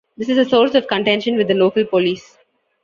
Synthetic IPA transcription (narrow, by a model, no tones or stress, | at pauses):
d̪ɪsɪzəsɔːɾsɔʋkə̃ɳʈɛ̃nʃə̃nʋɪd̪ːəloːkəlpoliːs